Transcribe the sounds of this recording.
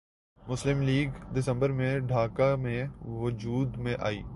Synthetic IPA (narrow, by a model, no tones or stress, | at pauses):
mʊslɪmliːɡɖ̪ɪsə̃mbəɾmẽɖʱaːkamẽʋʊd͡ʒuːd̪mẽʔa̰ːḭː